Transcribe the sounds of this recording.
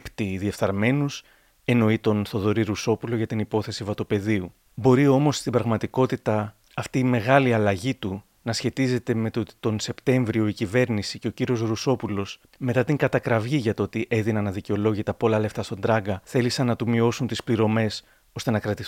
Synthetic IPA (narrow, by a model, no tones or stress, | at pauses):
pt̪iðie̞fθɐɾme̞nus | e̞no̞it̪o̞nθo̞ðo̞ɾiɾuso̞pulo̞ʝɐt̪inipo̞θe̞sivɐt̪ope̞ðiu | bo̞ɾio̞mo̞sst̪ibɾɐɣmɐt̪iko̞t̪it̪ɐː | ft̪iːme̞ɣɐliɐlɐʝit̪u | nɐsçe̞t̪ize̞t̪e̞me̞t̪ot̪i̥t̪o̞nse̞pt̪e̞ɱvɾio̞icive̞ɾnisice̞o̞ciɾio̞zɾuso̞pulo̞s | me̞t̪ɐt̪iŋɡɐt̪ɐkɾɐvʝiʝɐt̪oo̞t̪iʔe̞ðinɐnɐðiceo̞lo̞ʝit̪ɐpo̞lɐle̞ft̪ɐst̪o̞nd̪ɾɐɡɐθe̞lisɐnːɐt̪umio̞sunt̪ispliɾo̞me̞s | o̞st̪e̞nɐkɾɐt̪i